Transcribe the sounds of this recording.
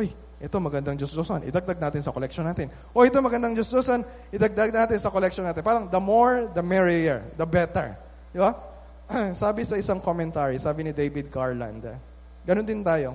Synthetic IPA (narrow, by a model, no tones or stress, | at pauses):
ʔoj | ʔɛt̪o̞mɐɡɐnd̪aŋd͡ʒosd̪osonʔɪ̰d̪ɐɡ̚d̪aɡ̚naːt̪ɪnsɐkolɛk̚ʃonːaːt̪ɪn | ʔo̞ʔɛt̪omɐɡɐnd̪ɐŋd͡ʒosd̪osɐn | ʔɪd̪ɐɡ̚d̪aɡ̚naːt̪ɪnsɐkolɛk̚ʃonaːt̪ɪnpaːɾɐŋd̪ɐmoɹd̪ɐmɛɹɪɛɹd̪ɐbɛt̪ɛ̰ɹ | d̪ɪba | saːbɪsɐʔɪsaŋkomɛ̃nt̪aːɹisaːbɪnɪd̪ejbɪd̪̚ɡaɹla̰nd̪ | ɡɐnond̪ɪnt̪aːjo̞